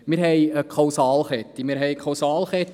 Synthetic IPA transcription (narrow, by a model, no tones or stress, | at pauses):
mɪɾɦɛjəkχɑwsɑːlχɛt̪ːimɪːɾɦɛjkʰɑwsɑːlχɛt̪